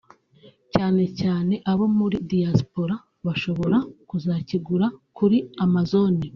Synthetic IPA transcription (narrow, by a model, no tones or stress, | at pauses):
caːne̞caːne̞ʔaβo̞muɾidijaspo̞ɾa | βaʃo̞βo̞ɾakuzaciɡuɾakuɾiamazo̞ni